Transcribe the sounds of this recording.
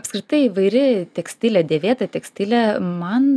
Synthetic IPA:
ɐpskɾʲɪt̪ɐɪiʋɐɪɾʲɪt̪ʲɛksʲt̪ʲɪlʲɛːd̪ʲeːʋʲeːt̪ɐt̪ʲɛksʲt̪ʲɪlʲɛmɐn

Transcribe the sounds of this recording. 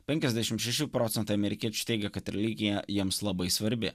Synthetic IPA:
pʲɛŋʲkʲɛzʲd̪ʲæʃʲɪmʃʲɛʃʲupɾɔːt̪sʲɛnt̪ɐɪɐmʲɛɾʲɪkʲiɛt͡ʃʲʊ̥t̪ʲɛɪɡʲɛkɐt̪ɾʲɛlʲiɡʲɪjɛjiɛmslˠɐbɐɪsʋɐɾʲbʲɪ̰

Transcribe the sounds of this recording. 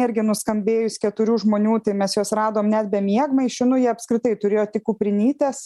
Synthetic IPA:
ɪɾʲɡʲɪnʊskɐmʲbʲeːjʊskʲɛt̪ʊɾʲuːʒmoːnʲuːt̪ɐɪmʲɛsjoːsrɑːd̪oːmnʲæt̪̚ʲbʲɛmʲiɛɡmɐɪʃʲɪnʊjiɛɐpskɾʲɪt̪ɐɪt̪ʊɾʲeːjoːt̪ʲɪkuːpʲɾʲɪnʲiːt̪ʲɛs

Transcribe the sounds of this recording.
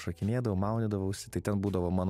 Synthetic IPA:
ʃokʲɪnʲeːd̪ɐʋɐʊmɑˑʊnʲɪd̪ɐʋɐʊsʲɪ̥t̪ɐɪtʲɛnbuːd̪ɐʋoːmɑːn

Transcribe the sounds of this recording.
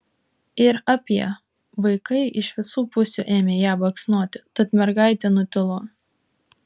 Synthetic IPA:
ɪɾɑːpʲiɛ | ʋɐɪkɐɪʔɪʃʋʲɪsuːpʊsʲṵːʔeːmʲeːjæːbɐksʲnuɔt̪ʲɪt̪ɐt̪mʲɛɾɡɑˑɪt̪ʲenʊt̪ʲɪlˠoː

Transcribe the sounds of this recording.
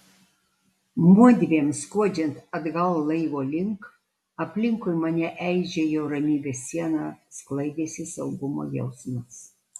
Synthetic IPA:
muɔd̪ʲʋʲeːmskuɔd͡ʒʲɛnt̪ɐd̪ɡɐlˠlˠɐɪʋoːlʲɪŋk | ɐpʲlʲɪŋkʊjmɐnʲɛʔɛɪʒʲɛjɛʊɾɐmʲiːbʲeːsːʲiɛnɑːsklˠɐɪd̪ʲeːsʲɪsɐʊɡʊmo̰ːjɛ̰ʊsmɐs

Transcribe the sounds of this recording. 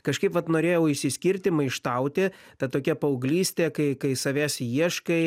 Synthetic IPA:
kɐʃkɐɪpʋɐt̪noːɾʲeːjɛʊɪʃʲsʲɪsʲkʲiɾʲt̪ʲɪmɐɪʃt̪ɐʊt̪ʲɪ | t̪ɐt̪oːkʲɛpɐʊɡlʲiːsʲt̪ʲeːkɐɪkɐɪsɐʋʲæːsʲiɛʃkɐɪ

